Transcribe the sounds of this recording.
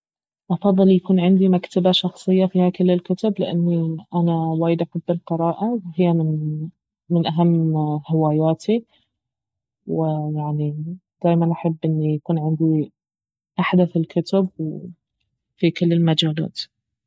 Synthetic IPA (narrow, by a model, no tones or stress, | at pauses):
ʔɑfɑðˤːɨljakuːnʕɪnd̪imakt̪abaʃɑxsˤɨjːafiːhakɪlːɪlkʊt̪ablɪʔanːiʔanawaːjɪd̪ʔaħabːɪlqɨɾɑːʔawhɪjːamɪn | mɪnʔaɦamːhɪwaːjaːt̪i | wɪjaʕnid̪̥aːjmanʔaħɪbːʔɪnːijakuːnʕɪnd̪i | ʔaħd̪aθɪlkʰʊt̪abw | fikɪlːɪlmad͡ʒaːla̰ːt̪